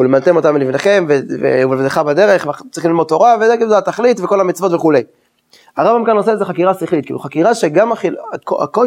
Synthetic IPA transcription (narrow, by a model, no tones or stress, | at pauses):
ulemalt̪emo̞t̪amlifneχe̞mvevḛuevd̪eχabad̪e̞ʁeχvet͡sʁiχmlilmod̚t̪ːo̞ʁavezeɡizaat̪aχlit̪vekolhamit͡svo̞t̪veχule̞j | aʁambamkanoseleze̞χakiʁasiχlit̪kḭlṵχakiʁaʃe̞ɡamaχiakoa̰ko